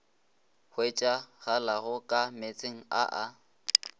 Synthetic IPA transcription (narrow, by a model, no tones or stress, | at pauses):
χwet͡ʃʼaɣalaɣʊkʼamet͡sʼeŋ̩a̰ʔa